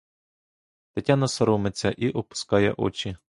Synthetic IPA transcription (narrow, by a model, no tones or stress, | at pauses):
t̪ɐtʲɑnɐsɐɾɔmet͡sʲːɐ̰ʔiʔɔpʊ̥skɑjɛ̰ʔɔ̰t͡ʃʲi